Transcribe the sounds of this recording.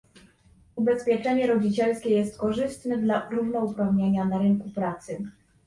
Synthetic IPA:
ubɛspʲjɛt͡ʂɛɲɛɾɔd͡ʑit͡ɕɛlskʲɛjɛst̪kɔʐɘst̪nɛd̪laɾuvnɔupɾavɲeɲanaɾɘŋkupɾat̪sɘ

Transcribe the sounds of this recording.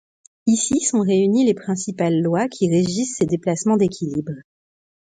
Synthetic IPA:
isisɔ̃ʁeynilepχɛ̃sipalːwakʲʰiʁeʒisːed̪eplasmɑ̃d̪ekʲilibʁ

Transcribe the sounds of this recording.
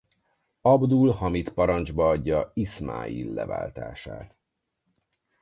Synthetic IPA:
ɒbd̪ulhɒmit̪pɒɾɒnd͡ʒbɒɒɟːɒisma̰ːḭlːɛ̰va̰ːlt̪a̰ːʃaːt̪

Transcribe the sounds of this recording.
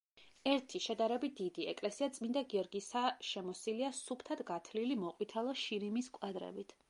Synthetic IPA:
ɛɾt̪ʰiʃɛd̪aɾɛbit̪̚d̪̥id̪iɛ̰kʼlɛsiat̪sʼmĩnd̪aɡiɔɾɡisaʃɛmɔsiliasupʰt̪ʰad̪ɡat̪ʰlilimɔqʼwit̪ʰɛlˠɔʃiɾimiskʼwad̪ɾɛ̰bit̪ʰ

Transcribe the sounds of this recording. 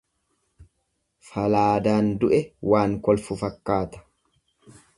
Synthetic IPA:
fɐlaːd̪aːnd̪ʊʔɛwaːŋkɔlfʊfɐkːaːt̪ɐ̥

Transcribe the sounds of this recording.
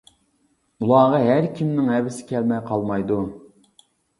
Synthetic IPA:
ulˠɑːʁɑɦæɾkʲʰimnɪŋɦɛvɪsɪ̥kʲʰɛlmɛjqʰɑlˠmɑjd̪u

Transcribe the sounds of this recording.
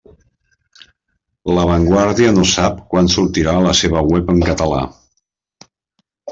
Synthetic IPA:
ləβ̞əŋɡwaɾðiənosap̚kwansuɾt̪iɾaələseβ̞əwɛpəŋkət̪əla̰

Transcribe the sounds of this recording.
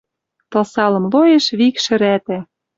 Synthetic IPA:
t̪ɤ̆lsɑlɤ̆mlojeʃβikʃɘ̆ɾæt̪æ

